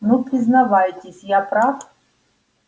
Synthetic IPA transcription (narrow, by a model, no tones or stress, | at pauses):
nupɾʲɪznɐvajtʲɪsʲjapɾaf